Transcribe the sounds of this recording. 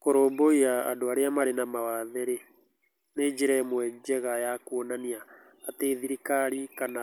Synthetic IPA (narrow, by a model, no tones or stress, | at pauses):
koɾoːboiaa̰doaɾeamaɾenamawaðɛɾe | ned͡ʒeɾɛmwɛd͡ʒɛɣajakuonaniaː | teːðiɾikaɾikana